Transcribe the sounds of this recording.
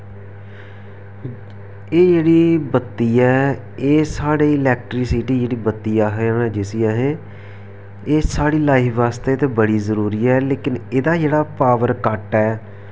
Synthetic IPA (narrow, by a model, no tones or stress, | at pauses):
eːd͡ʒeːɽiːbət̪ːiːɛː | eːsaːɽeːɪlɛːkʈɾiːsiʈiːd͡ʒeːɽiːbət̪ːiːaːɦeaːnaːd͡ʒɪsiaːɦeː | eːsaːɽiːlaːiːʋaːst̪eːt̪eːbəɽiːzəɾuːɾiːɛːleːkɪneːd̪aːd͡ʒeːɽaːpaːʋəɾkəʈɛː